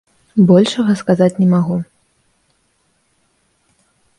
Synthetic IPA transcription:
bɔlʲʂɐɣɐskazat͡sʲnʲɛmaɣu

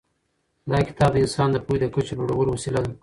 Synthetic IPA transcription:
d̪ɑkɪ̥t̪ɑb̚d̪əɪnsɑnd̪əpujd̪əkət͡ʃeloɽawəɾowasilad̪a

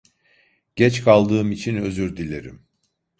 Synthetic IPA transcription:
ɟ̥ɛt͡ʃkʰalˠd̪ɯːmit͡ʃʰinø̞zyɾd̪ilʲe̞ɾḭm

